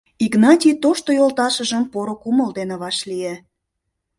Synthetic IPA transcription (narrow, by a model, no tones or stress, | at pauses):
iɡnɑtʲijt̪oʃt̪ojolt̪ɑʃə̆ʒə̆mpoɾokuməld̪enĕβɑʃlie